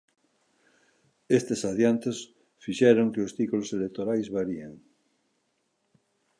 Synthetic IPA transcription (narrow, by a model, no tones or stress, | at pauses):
est̪esaðjant̪es | fiʃɛɾoŋkeost̪ikuloselek̚t̪oɾajzβaɾieŋ